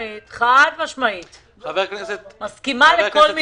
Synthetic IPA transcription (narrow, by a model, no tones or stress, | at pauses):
it̪χaadmaʃmait̪ | avekneset̪maskimalekolmi